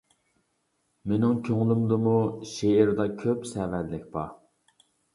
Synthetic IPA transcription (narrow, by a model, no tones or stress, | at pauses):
menɪŋkʲʰøŋlˠymd̪ɨmuʃeɪɾd̪ɑkʲʰøpsɛvɛt̪lɪk̚ʲbɑ̰